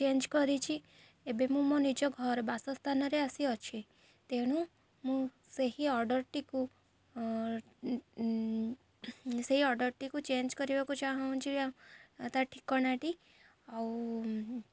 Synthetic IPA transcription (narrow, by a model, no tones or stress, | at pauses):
t͡ʃend͡ʒkɔɾit͡ʃʰi | ebemũmɔnid͡ʒɔɡʱɔɾbasɔst̪ʰanɔɾeasiɔt͡ʃʰi | t̪eɽ̃ũ | mũ | seɦiɔɾɖɔɾʈiku | seɦiɔɾɖɔɾʈikut͡ʃend͡ʒkɔɾibakũt͡ʃaɦɔũt͡ʃʰiat̪aʈʰikːɔnaʈi | aw